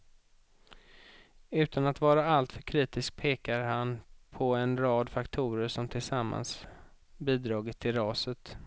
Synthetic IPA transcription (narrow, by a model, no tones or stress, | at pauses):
ʉ̟ːt̪ʰanat̪vɑːɾaalt̪fœɾkʰɾiːt̪ɪsk̚pʰeːkaɾɦanpʰɔɛnɾɑːd̪fakt̪ʰuːɾəʂɔmt̪ʰɪlsamːa̰ns | biːd̪ɾɑːɡɪt̪ʰːɪlɾɑːsət̪